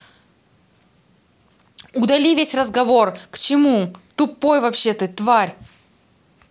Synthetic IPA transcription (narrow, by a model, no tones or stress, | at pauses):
ʊd̪ɐlʲivʲesʲrəzɡɐvo̞rkt͡ɕɪmut̪ʊpːojvɐpɕːet̪ət̪vaɾʲ